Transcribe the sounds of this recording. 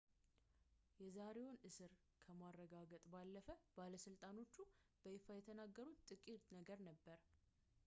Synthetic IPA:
jɛzaɾe̞wonɨsɨɾ | kʰəmarːəɡaɡət̪ʼbalːəfəbaləsɨlt̪ʼano̞t͡ʃːub̥əefajɛt̪ʰənaɡːəɾut̪t̪ʼɨkʼit̪ʼnəɡəɾnəbːəɾ

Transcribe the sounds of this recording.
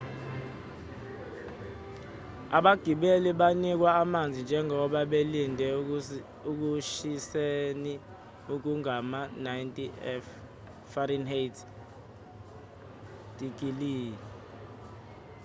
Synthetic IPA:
a̰ɓaɡ̥ʱiɓeliɓanik̬waːmand͡zʱind͡ʒʱɛŋʱɔɓaɓelindʱɛ | uk̬uʃiseni | uk̬uŋamanajntʼiɛf | fɔrinhetʰ | d̥ʱik̬iliː

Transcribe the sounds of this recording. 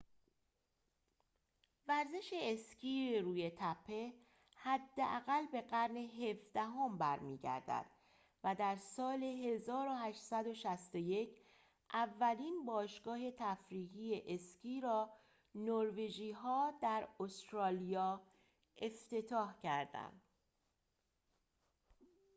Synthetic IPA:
væɾze̞ʃeːscʰiːɾuːje̞t̪ʰæpʰːe̞ | hæd̪ːeʔæɣælbe̞ɣæɾneɦe̞fd̪æɦombæɾmḭːɟæ̰ɾd̪æ̰d̪̥ | væd̪æɾsɒːleɦe̞zɒːɾo̞hæʃtsæd̪o̞ʃæst̪oje̞c | ʔævːæliːnbɒːʃɡ̥ɒːhe̞t̪ʰæfɾiːɣiːeʔesciːɾɒː | noɾve̞ʒiːɦɒːd̪æɾost̪ɾɒːlijɒː | ʔe̞ft̪e̞t̪ʰɒːhcʰæɾd̪æ̰nd̪̥

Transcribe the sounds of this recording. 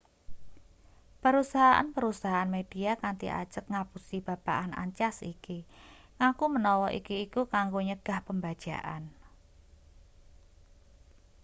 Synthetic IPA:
pəɾusaɦaʔa̰npəɾusaɦaanmed̥iakant̪ḭʔa̰̥ʒ̥əkŋapusib̥a̤b̥a̰ʔana̰ɲt͡ʃasḭki | ŋakumənɔwɔʔḭkiːkukaŋɡoɲəɡ̥a̤hpəmbad̥ʒ̥a̰ʔa̰n

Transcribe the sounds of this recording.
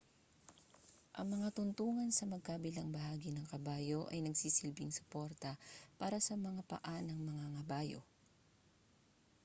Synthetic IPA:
ʔɐŋmɐŋat̪ʊnt̪uːŋɐnsɐmɐɡ̚kaːbɪlɐŋbɐhaːɡɪnɐŋkɐbaːjo̞ʔɐ̰jnɐɡsiːsɪlbɪŋsɐ̥pɛɾt̪ɐpaːɾɐsɐmɐŋapɐ̰ʔanɐŋmɐŋaŋɐbaːjo̰

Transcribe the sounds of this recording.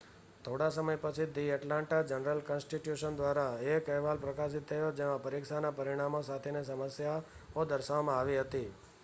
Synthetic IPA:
t̪ʰoɽasəməjpət͡ʃʰid̪iəʈlãɳʈad͡ʒənəɾəlkɔ̃nsʈiʈjuʃənd̪ʋaɾaekəɦʋalpɾəkas̬it̪̚ːʰəjod͡ʒemãpəɾikʃanapəɾiɽ̃amosat̪ʰenesəməsja | od̪əɾʃaʋmãaʋiɦət̪i

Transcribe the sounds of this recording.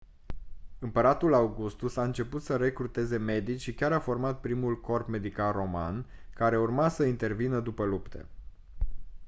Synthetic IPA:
ɨmpəɾat̪ulawɡust̪usaɨnt͡ʃe̞put̪səɾe̞kɾut̪e̞ze̞me̞d̪it͡ʃʲʃikʲaɾafo̞rmat̪̚pɾimulko̞rpme̞d̪ikalro̞ma̰n | kaɾe̞urmasəint̪e̞rvinəd̪upəlupt̪ʰḛ

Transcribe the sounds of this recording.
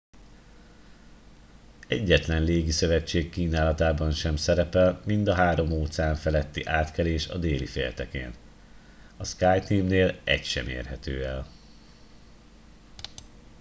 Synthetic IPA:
ɛɟːɛt̪lɛnleːɡisø̞vɛt͡ʃːeːkːiːnaːlɒt̪aːbɒnʃɛmsɛɾɛpɛlmind̪ɒɦaːɾo̞moːt̪saːɱfɛlɛt̪ːiʔaːt̪kɛleːʃɒ̰d̪eːlifeːlt̪ɛkḛːn | ɒskaːjt̪iːmneːlɛ̰cʃɛ̰mḛːrɦɛt̪øːɛl

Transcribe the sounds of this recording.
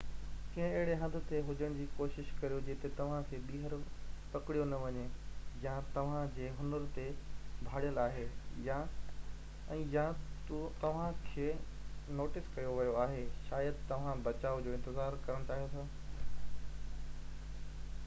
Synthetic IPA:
kĩɦɪ̃eɦɪɽeɦɐ̃nd̪ʱʊ̆t̪eɦʊd͡ʑəɽ̃d͡ʑiːkoːʃɪʃkɐɾijod͡ʑeːt̪et̪ɐʋ̤ãkʰeːɓiːɦəɾpɐkɪɽijonɐʋɐɲejãt̪ɐʋ̤ãd͡ʑeːɦʊnəɾt̪ebʱaːɽijəlaːɦeja | ɛ̃ːjãtt̪ɐʋ̤ãkʰeː | noːʈɪskɐjoʋɐjoaːɦeʃaːjəd̪t̪ɐʋ̤ãbɐt͡ɕaːʊd͡ʑoːɪ̃nt̪ɪzaːɾkɐɾəɽ̃t͡ɕaːɦijot̪ʰaː

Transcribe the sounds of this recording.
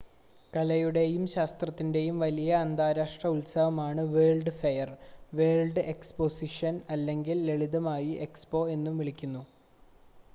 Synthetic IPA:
kɐlɐjuɽe̞jumɕaːst̪rɐt̪ːinde̞jumʋɐlijɐːnd̪aːɾaːʂʈrɐulsɐʋɐmaːɳɨʋe̞ːlɖɨfɐjɐrʋe̞ːlɖɨe̞kspo̞siʂɐnɐlːe̞ŋɡile̞ɭiðɐmaːjiʔe̞kspo̞ːe̞nːumʋiɭikʲːunːu

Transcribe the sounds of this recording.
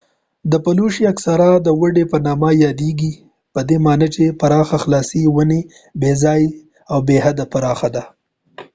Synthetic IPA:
d̪əpaluʃiaksaɾad̪əwəɖepənɑmajɑd̪eɡi | pəd̪emɑnət͡ʃepaɾɑxaxlɑsiwəne | bezɑj | awbeɦad̪apaɾɑxad̪a

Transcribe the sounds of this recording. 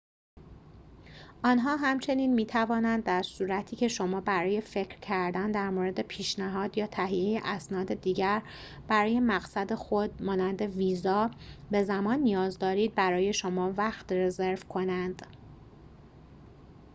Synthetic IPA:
ʔɒːnɦɒːɦæmt͡ʃʰe̞niːnmiːt̪ʰævɒːnænd̪ːæɾsuːɾæt̪ʰiːcʰe̞ʃo̞mɒːbæɾɒːje̞fe̞cʰɾcʰæɾd̪ænd̪æɾmoɾe̞d̪e̞pʰiːʃnæɦɒːd̪jɒːt̪ʰæɦiejeʔæsnɒːd̪e̞d̪iːɟæɾ | b̥æɾɒːje̞mæɣsæd̪e̞xod̪̚mɒːnænd̪e̞viːzɒːbe̞zæmɒːnːijɒːzd̪ɒːɾiːd̪̚bæɾɒːje̞ʃo̞mɒːvæxt̪re̞ze̞ɾvkʰo̞nænd̪̥

